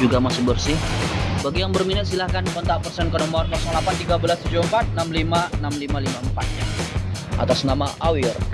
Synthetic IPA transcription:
d͡ʒuɡamasʊbərsɪhbaɡijaŋbərminɪt̪̚silahkankɔnt̪aʔpərsɛnkənɔmɔrmasʊŋlapant̪iɡabəlast̪ud͡ʒumpat̪̚namlimanamlimalimampat̪̚ | ʔa̰t̪asnamaʔawɪr

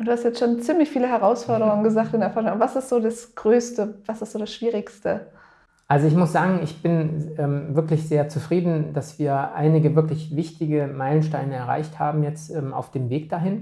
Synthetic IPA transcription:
ʊnd̥uːhastjɛt͡stʃoːnt͡siːmlɪçfiːləɦɛʁaʊsfɔɐɾəʁʊŋənɡəzaːktɪnɛɐfaːŋabɐvasɪstz̥oːdasɡ̥ʁøːstəvasɪstz̥oːdasʃv̥iːʁɪçstə | ʔalzoɪçmʊsz̥aːɡŋ̩ɪçb̥ɪnɛːmvɪɐklɪçz̥eːɐt͡sufʁ̥iːdn̩d̥asv̥iːɐʔa̰ɪnɪɡəvɪɐklɪçvɪçtɪɡəmaɪlənʃtaɪnəɛɐʁa̰ɪçthaːbm̩jɛt͡stʔɛːmʔa̰ʊfd̥eːmveːk̚d̥aɦɪn

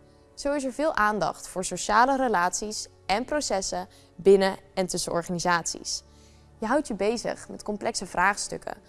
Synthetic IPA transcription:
z̥owɪs̬əɹvɪːlˠʔaːndɑ̰χtfʊːɹsowʃaːlərəlaːtsis | ɛnprowsɛsə | bɪnəɛntɵsəʔɔɹχaːnizaːtsḭs | jəɦʌwtjəbejzə̰χmɛ̰tkɔmplʔɛksəv̥raːχstɵ̰kʰə̰

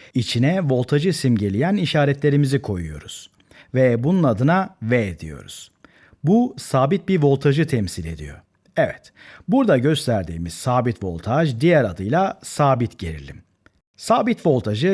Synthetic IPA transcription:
it͡ʃʰinɛvo̞lˠt̪ʰaʒɯsimɟe̞lʲijæniʃaːɾɛt̪lʲe̞ɾimizikʰo̞jujo̞̰ɾuz̥ | vɛbununad̪ɯnavɛed̪ḭjo̞̰ɾṵz̥ | busaːbit̪̚biɾvo̞lˠt̪ʰaʒɯt̪ʰɛmsilʲe̞̰d̪ḭjo̞̰ | ɛvɛt̪buɾd̪aɟø̞st̪ʰæɾd̪ḭːmiz̥saːbit̪vo̞̰lˠt̪ʰaʒd̪ijæɾad̪ɯjlˠasaːbit̪ɟe̞ɾḭlʲḭm | saːbit̪vo̞lˠt̪ʰaʒɯ

